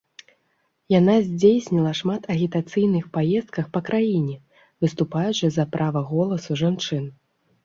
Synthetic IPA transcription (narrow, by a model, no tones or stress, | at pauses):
jan̪azʲd͡zʲejsʲnʲilˠɐʂmat̪ʰɐɣʲit̪at̪sɨjnɨxpajɛst̪̚kɐxpɐkɾajinʲɛ | vɨst̪upajut͡ʂɨzɐpɾʔavɐɣɔlˠɐsuʐant͡ʂɨn